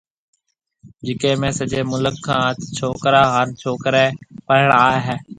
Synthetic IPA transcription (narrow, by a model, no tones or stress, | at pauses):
d͡ʒɪkẽːmẽːsəd͡ʒeːmʊləkʰːãːət̪t͡ʃʰoːkɾaːɦəːnt͡ʃʰoːkɾeːpəɦəɽaːeːɦɛː